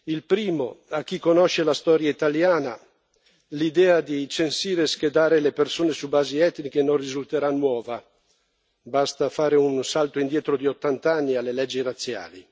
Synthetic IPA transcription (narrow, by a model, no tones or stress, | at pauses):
ilpɾiːmo̰ak̟ːikːonoʃelast̪ɔːɾjait̪aljaːna | lid̪ɛːad̪it͡ʃensiːɾesked̪aːɾelepersoːnesubaːziɛt̪nik̟enonrizult̪eɾanwɔːva | bast̪afaːɾeunsalt̪oind̪jɛːt̪ɾod̪iot̪ːant̪anːialːelɛd͡ʒːirat̪sːja̰ːli